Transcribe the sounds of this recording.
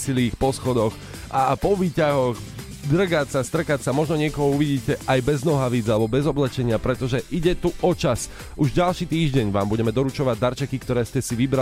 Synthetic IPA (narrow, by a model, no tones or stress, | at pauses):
siliːxpɔsxɔd̪ɔx | ʔapɔʋiːcaɦɔɣ | d̪r̩ɡacsast̪r̩kacsamɔʒnɔɲɪɛkɔɦɔuʋiɟiːcɛʔajbɛznɔɦaʋid͡zalɛbɔbɛzɔblɛt͡ʃɛɲɪapɾɛt̪ɔʒɛʔiɟɛt̪uʔɔt͡ʃas | uʒɟalʃiːt̪iːʒɟɛɲʋa̰ːmbuɟɛmɛd̪ɔɾut͡ʃɔʋaɟ̚d̪aɾt͡ʃɛkikt̪ɔɾɛːscɛsiʋibɾa